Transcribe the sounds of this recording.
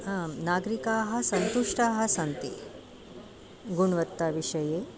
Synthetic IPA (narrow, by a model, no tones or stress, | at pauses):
anaːɡɾikaːɦɐ̆sɐnt̪uʂʈaːɦɐsɐnt̪i | ɡuɳʋɐt̪ːaːʋiʂɐjeː